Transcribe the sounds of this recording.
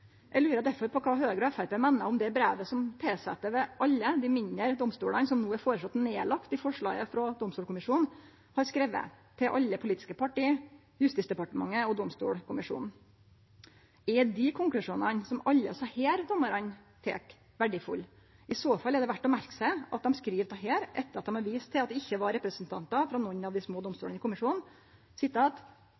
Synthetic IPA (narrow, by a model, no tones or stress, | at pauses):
jʔæɪlʉːɾəd̪æɾfɔɾpʰɔkʰɑːɦøːɡəɾɔɛfæɾpeːmɛnːəɔmd̪ɛbɾæːʋəsɔmt̪ʰeːsɛ̰t̪ːəʋɛʔɑlːəd̪ɪmɪɲːəɾd̪ɔmst̪uːɽɑnsɔmnuːæɾfoːɾəsɑt̪ːneːlɑkt̪ɪfɔʂɭɑ̰ːɡəfɾɑd̪ɔmst̪uːɽkʰʊmɪʂuːn | hɑɾskɾɛʋə̰ | t̪ʰɪlʔɑ̰lːəpʰʊliːt̪ɪ̥skəpʰɑʈiː | jʉst̪ɪsd̪ɛpɑʈəmɑŋːəɔd̪ɔmst̪ṵːɽkʰʊmɪʂṵːnn̩ | ɛd̪ɪkʰʊŋklʉʂuːnənsɔmɑʎːə̰sɑheːɾd̪ɔmːəɾɑnt̪ʰḛːk | ʋæɖɪfʊ̰lː | ɪsoːfɑlːɛɖ̪ɛʋæʈːɔmæɾksæɪʔɑ̰t̪̚d̪ɛmskɾiːʋt̪ʰɑɦeːɾʔɛ̰t̪ːəɾɑt̪̚d̪ɛmɑɾʋiːst̪ʰɪlt̪d̪ɛɪçːəʋɑɾɛpɾəsnt̪ʰɑnt̪ɑfɾɑnɔɲːɑʋd̪ɪsmoːd̪ɔmst̪uːɽənəɪkʊmɪʂuːnn | sɪt̪ːəːt̪